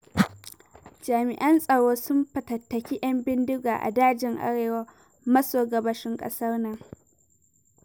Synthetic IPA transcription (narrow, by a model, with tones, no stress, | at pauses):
d͡ʒaː˨mɪ˨ʔɐ˦nsʼɐ˨ɽoː˦sʊ˦mpɐ˨tɐ˨tːɐ˨kʲi˦ʔɐ˦mbɪ˦ndʊ˦ɡaː˨ʔa̰˨daː˦d͡ʒɪ˨ŋʔa̰˦ɽeː˨wɐ˦ | mɐ˦soː˨ɡɐ˨bɐ˨ʃɪ˦ŋkʼɐ̰˦sɐ˦rnɐ˨ŋ